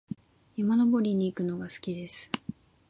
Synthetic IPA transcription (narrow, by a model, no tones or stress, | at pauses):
imano̞bo̞ɾʲiɲ̟iːkɯ̟no̞ɡasɨ̥kʲid̪e̞sɨ̥